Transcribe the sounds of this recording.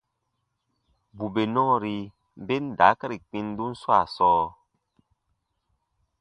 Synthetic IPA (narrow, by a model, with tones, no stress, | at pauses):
bu˨be˨nɔ˦˨ɾi˨ | m˦be˦n̩˦˨da̰˨˦kə˦ɾi˨k͡pi˦n˦du˦n̩˦swa˦˨sɔː˦